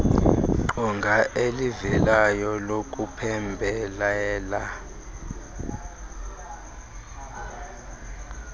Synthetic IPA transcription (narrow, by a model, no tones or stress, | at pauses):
ǃɔŋɡʱaʔelivɛlajɔlokʼupʰɛmbʱɛlɛːla